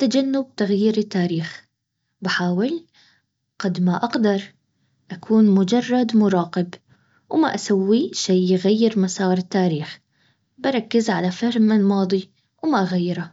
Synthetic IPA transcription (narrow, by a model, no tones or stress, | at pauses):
t̪ad͡ʒanːʊb̚t̪aɣjiːɾɪt̪ːaːɾiːx | baħaːwɪl | qɑd̪maʔaqd̪ɑɾˤ | ʔakʰuːnmʊd͡ʒɑrˤːɑd̪mʊɾˤɑːqɪb | wma̰ʔasawːiʃajjɪɣajːɪɾmasɑːɾˤɪt̪ːaːɾiːx | bɑɾˤɑkːɪzʕalafɪɾmalmɑːd̪ˤi | wmaʔaɣajːɪɾa